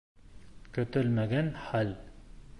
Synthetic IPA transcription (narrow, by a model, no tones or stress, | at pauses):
kɵ̆t̪ɵlmæɡænχæl